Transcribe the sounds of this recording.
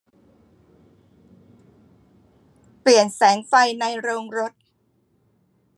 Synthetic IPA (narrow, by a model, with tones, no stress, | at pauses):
pli˨˩ənsɛː˩˦ŋfa˧jna˧jɾoː˧ŋɾo˦˥t̪̚